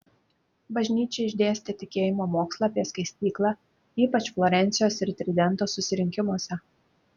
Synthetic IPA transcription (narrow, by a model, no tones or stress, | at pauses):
bɐʒʲnʲiːt͡ʃʲɛɪɪʒʲd̪ʲeːsʲt̪ʲet̪ʲɪkʲeːjɪmoːmoːkslˠɑːpʲiɛskɐɪsʲt̪ʲiːklˠɑ | iːpɐt͡ʃflˠoːɾʲɛnʲsʲɪjoːsɪɾt̪ʲɾʲɪd̪ʲɛnt̪oːsʊsʲɪɾʲɪŋʲkʲɪmuɔsʲɛ